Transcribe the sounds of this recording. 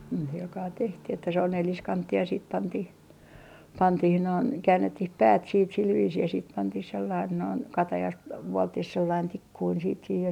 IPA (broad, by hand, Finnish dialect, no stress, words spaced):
ni silkɑː tehtih etːæ se on neliskɑntːiːj jɑ siːt pɑntih pɑntih noin kæːnːetːih pæːt siːt sil ʋiːsiː jɑ siːt pɑntih selːɑin noin kɑtɑjɑst ʋuoltːih selːɑin tikːuin siːt sih jɑ